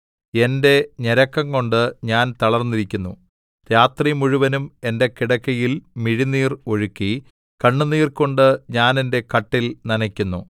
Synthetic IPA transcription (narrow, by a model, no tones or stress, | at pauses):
e̞nde̞ɲeɾɐkːɐŋko̞ɳɖɨɲaːnt̪ɐɭɐrnːiɾikʲːunːṵ | ɾjaːt̪rimuɻuʋɐnume̞nde̞kiɽɐkːɐjilmiɻiniːro̞ɻukːi | kɐɳːuniːrko̞ɳɖɨɲaːnende̞kɐʈːilnɐnɐkʲːunːu